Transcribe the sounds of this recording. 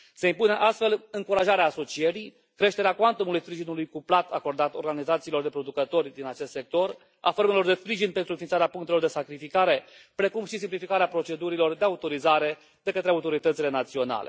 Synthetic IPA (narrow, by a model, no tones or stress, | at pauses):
seimpuneʔast̪fe̞lɨŋkuɾaʒaɾeaːso̞t͡ʃieɾi | kɾe̞ʃt̪e̞ɾeakwant̪omulujspɾiʒinulujkuplat̪ʰako̞rd̪at̪o̞rɡanizat̪siːlo̞rd̪e̞pɾo̞d̪ukət̪o̞rʲd̪inat͡ʃe̞st̪se̞k̚t̪o̞r | a̰formelo̞rd̪e̞spɾiʒinpe̞nt̪ɾuɨnfinsaɾeapuŋkt̪elord̪esakɾifikaɾe̞ | pɾe̞kumʃisimplifikaɾeapɾo̞t͡ʃe̞d̪uɾilo̞rd̪eaut̪o̞ɾizaɾe̞ | d̪̥e̞kət̪ɾeaut̪o̞ɾit̪ət̪sile̞nat̪sio̞na̰le̞̰